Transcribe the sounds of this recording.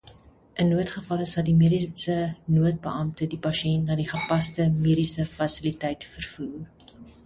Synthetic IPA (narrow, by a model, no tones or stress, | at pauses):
ʔənːuətχəfɐləsɐldimiəɾisənuət̚bəʔɐmtədipɐʃiɛntnɑːdiχəpɐstəmiːɾisəfɐsilitɛjtfərfuːr